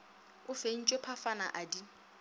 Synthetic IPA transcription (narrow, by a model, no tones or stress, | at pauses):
ʊfen̩t͡ʃʼwepʰafana̰ʔadi